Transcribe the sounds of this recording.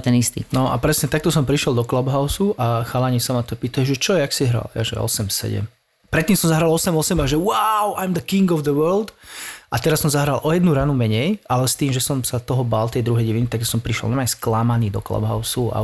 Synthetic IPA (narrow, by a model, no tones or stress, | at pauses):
t̪ɛnist̪ḭnɔʔa̰pɾɛsɲɛt̪ak̚t̪ɔsɔmpɾiʃjɛlˠd̪ɔklɔbɦaʊsuʔaxalaɲisamat̪ɔpiːt̪aɛʒɛt͡ʃɔjɛaksiɦɾa̰lja̰ʒɛ̰ɔ̰sɛmsɛ̰ɟɛ̰m | pɾɛt̪ːiːmsɔmzaɦɾalɔsɛmɔsɛmaʒɛwaʊʔajmd̪əkiŋɡɔvd̪əwɜɾld̪ʔat̪ɛɾasɔmzaɦɾalʔɔjɛd̪nuɾanumɛɲɛjʔalɛst̪iːmʒɛsɔmsat̪ɔɦɔbalt̪ɛjd̪ɾuɦɛjɟɛʋinit̪ak̚t̪ɔ̥sɔmpɾiʃjɛ̰lnamajsklamaniːd̪ɔ̰klɔ̰bɦa̰ʊsua̰